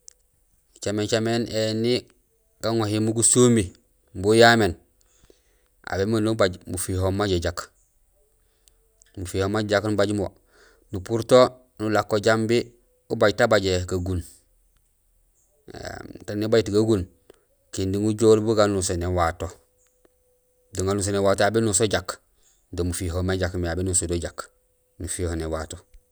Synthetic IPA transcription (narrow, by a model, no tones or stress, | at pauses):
t͡ʃament͡ʃameneni | ɡ̥aŋohimuɡusumi | mbujamen | ʔa̰bemanubaɟmufiɦomːaɟeɟak | mufihomːaɟaknubaɟmo | nupuɾto | nulakːoɟambi | ubaɟtabaɟekaɡun | ḛtanibaɟtiɡaɡun | kindiŋuɟoɾbuɡanusonewato | doŋɡanus̬onewaːtojabinusoɟak | domufiɦomaɟakmjabenusodoɟak | nufihonewato